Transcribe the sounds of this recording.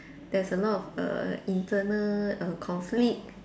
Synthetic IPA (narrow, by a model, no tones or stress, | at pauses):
d̥ɛsəlɔtɔfə̰ĩntʰənələkʰɔ̃nflik̚